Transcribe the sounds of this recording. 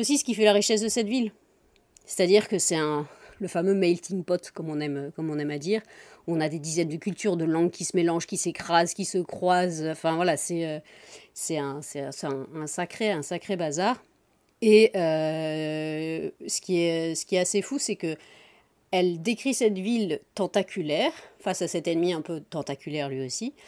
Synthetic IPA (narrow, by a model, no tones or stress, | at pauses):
osisə̥kʲifɛlaʁiʃɛs̬d̪əsɛt̪vil | se̥t̪ad̪iʁkəsɛt̪ɛ̃ləfamømɛjlt̪ʰiŋpɔt̪kɔmɔ̃nɛmøkɔmɔ̃nɛmad̪iːʁɔ̃nad̪ed̪izɛnd̪əkʲylt̪yʁd̪əlɑ̃ɡkʲisəmelɑ̃ʒkʲisekχazkʲisəkχwazɑ̃fɛ̃vwalasɛøsɛɛ̃sɛɛ̃sɛɛ̃ːsakχeɛ̃sakχebazaʁ | eø | sə̥kʲiɛsə̥kʲiɛtasefusɛkə | ɛld̪ekχisɛt̪vilt̪ɑ̃t̪akʲʰylɛːʁfasasɛt̪ɛnmiɛ̃pøt̪ɑ̃t̪akʲylɛʁlɥiosi